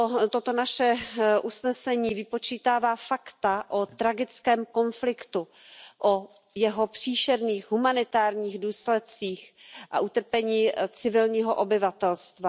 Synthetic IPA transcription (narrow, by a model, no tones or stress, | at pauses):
ot̪ot̪o̞naʃɛʔusnɛsɛɲiːvɪpo̞t͡ʃiːt̪aːvaːfakt̪aʔot̪ɾaɡɪt͡skɛːmko̞nflɪkt̪u | ʔo | jɛɦo̞pr̥iːʃɛɾniːxɦumanɪt̪aːɾɲiːɣduːslɛt̪̚t͡siːxʔa̰ʔut̪r̩pɛɲiːt͡sɪvɪlɲiːɦoʔobɪvat̪ɛlst̪va